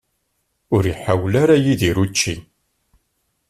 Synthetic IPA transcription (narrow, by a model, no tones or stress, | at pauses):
ʊɾjiħawlaɾajiðiɾut͡ʃːi